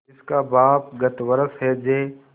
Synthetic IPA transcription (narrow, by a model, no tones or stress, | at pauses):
ɪskabaːp̚ɡɐt̪wəɾəsɦɛd͡ʒeː